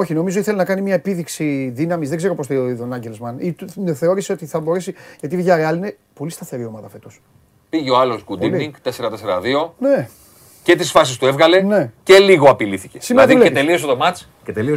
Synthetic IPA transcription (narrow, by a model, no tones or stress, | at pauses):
o̞çino̞mizo̞iθelinɐkɐnimɲɐepiðiksiðinɐmiszðe̞ɡze̞ɾo̞post̪oioiðonɐɲɟelzmɐnit̪θe̞o̞ɾiseot̪iθɐbo̞ɾe̞siʝɐt̪ivʝɐɾeɐline̞ | po̞list̪ɐθe̞ɾiomɐðɐfe̞t̪o̞s | piʝeoɐlo̞sɡud̪iniŋɡt̪eseɾɐt̪eseɾɐðio̞ne | ce̞t̪isfɐs̬ist̪uevɣɐle̞ne̞celiɣoɐpiliθicesimeɐðiuleet̪elio̞soðomɐt͡si̥ | cet̪elio